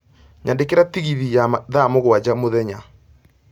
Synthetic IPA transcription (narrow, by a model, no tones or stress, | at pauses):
ɲʔandekeɾatiɣiðijaðamoɣwad͡ʑamoðɛɲa